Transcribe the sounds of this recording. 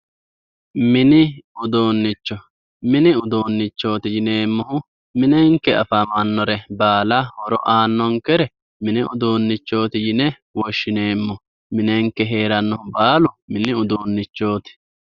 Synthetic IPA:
mɪnɪʊd̪o̞ːnːɪt͡ʃːɔ | mɪnɪʊd̪oːnːɪt͡ʃːo̞ːt̪ɪjɪne̞ːmːɔhʊ | mɪnɛŋkːɛɐ̰fɐmɐnːɔɾɛbaːlɐhɔɾɔ̰ʔaːnːɔŋkɛɾɛ | mɪnɪʊd̪oːnːɪt͡ʃːo̞ːt̪ɪjɪnɛ | wɔʃːɪne̞ːmːɔ | mɪnɛŋkːɛɦe̞ːɾɐnːɔhʊbaːlʊmɪnɪʊd̪oːnːɪt͡ʃːo̞ːt̪ɪ̥

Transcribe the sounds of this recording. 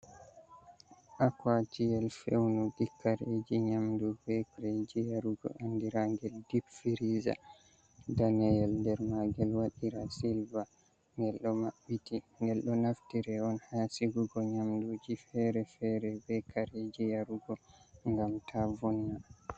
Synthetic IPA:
ʔakwat͡ʃijɛlfɛ̰wnɔɡikːaɾed͡ʒiɲamdubɛkɾed͡ʒijaɾuɡɔ̰ʔandiɾaŋɡɛldibfiɾiza̰ | danɛjɛlndɛɾmaɡɛlwaɗiɾasilva | ŋɡɛlɗɔmaɓːitiŋɡɛlɗɔnaftiɾɛɔnhaːsiɡuɡɔɲamdud͡ʒifɛɾɛfɛɾɛbɛkaɾed͡ʒijaɾuɡɔŋɡamtʰavuna

